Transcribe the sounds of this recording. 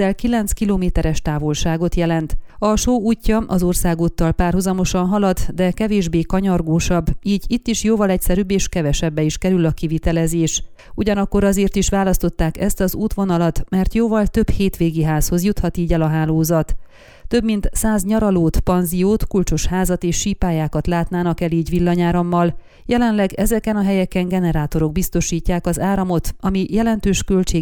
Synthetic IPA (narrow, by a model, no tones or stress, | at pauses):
ɛlkilɛnt̪skiloːmeːt̪ɛɾɛʃt̪aːvo̞lʃaːɡo̞t̪jɛlɛnt̪ɒʃoːuːcːɒʔɒzo̞rsaːɡot̪ːɒlpaːrɦuzɒmo̞ʃɒnɦɒlɒd̪d̪ɛkɛveːʒbeːkɒɲɒrɡoːʃɒbːiːɟit̪ːiʃjoːvɒlɛcsɛɾybːeːʃkɛvɛʃɛbːɛiʃkɛɾylɒkivit̪ɛlɛzeːʃ | uɟɒnɒkːo̞ɾɒzeːrt̪iʃʋaːlɒst̪o̞t̪ːaːkɛst̪ɒzuːt̪ʋo̞nɒlɒt̪mɛrt̪joːvɒlt̪ø̞bheːt̪ʋeːɡiɦaːsho̞zjut̪hɒt̪iːɟɛlɒɦaːloːzɒt̪ː | ø̞bmint̪saːzɲɒɾɒloːt̪pɒnzijoːt̪kult͡ʃo̞ʃhaːzɒt̪eːʃːiːpaːjaːkɒt̪laːt̪naːnɒkɛliːɟʋilːɒɲaːɾɒmːɒl | jʔɛlɛnlɛɡɛzɛkɛnɒɦɛjɛkɛŋɡɛnɛɾaːt̪o̞ɾo̞ɡ̚bist̪o̞ʃiːcːaːkɒzaːɾɒmo̞t̪ɒmijɛlɛnt̪øːʃkø̞lt͡ʃeː